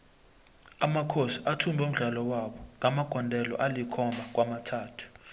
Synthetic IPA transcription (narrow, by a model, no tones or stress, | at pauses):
amakʰosiatʰumbʱɛum̩ɮalɔwaɓɔŋamaɡ̥ʱɔndʱɛlɔ̰ʔalikʰɔmbʱak̬wʔamatʰaːtʰu̥